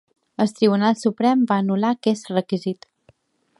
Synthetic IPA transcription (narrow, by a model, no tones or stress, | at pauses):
əlˠt̪ɾiβ̞unalˠsupɾɛmbaənulakɛsrəkizit̪